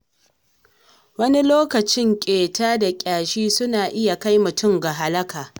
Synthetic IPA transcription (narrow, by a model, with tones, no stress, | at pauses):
wɐ˦ni˦loː˦kɐ˨t͡ʃɪ˦ŋkʲʼeː˨taː˦da˨kʲʼaː˨ʃiː˦sʊ˦naː˨ʔɪ˦ja˨ka˦jmʊ˨tʊ˦˨mɡa˨ɦa˦lɐ˦kaː˨